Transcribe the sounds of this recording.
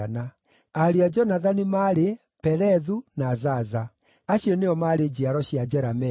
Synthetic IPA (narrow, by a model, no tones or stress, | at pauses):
ana | aɾiad͡ʒɔnaðanimaɾe | pɛɾɛðunazaza | aɕjɔneɔmaɾed͡ʑiaɾɔɕiad͡ʒɛɾamɛ